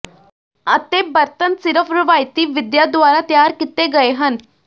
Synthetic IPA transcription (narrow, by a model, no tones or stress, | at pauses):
ət̪ebəɾt̪ənsɪɾəfʰɾɪʋaːjt̪iːʋɪd̪jad̪ʊʋaːɾat̪jaːɾkɪt̪eɡɐeɦən